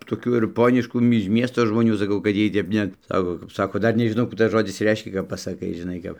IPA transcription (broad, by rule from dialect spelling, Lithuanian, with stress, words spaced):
toːˈkʲuː ɪr ˈpoːnʲɪʃkuː mʲɪ ɪʃ ˈmʲiɛstoː ʒmoːˈnʲuː sɐˈkɐʊ kɐt ˈjiɛj tʲɛp ˈnʲɛt ˈsɑːkoː kɐp ˈsɑːkoː tɐɪ ˈdɐr nʲɛʒʲɪˈnɐʊ ˈkuː tɐs ˈʒoːdʲɪs ˈrʲɛɪʃʲkʲɛ kɐp pɐsɐˈkɐɪ ʒʲɪˈnɐɪ kɐp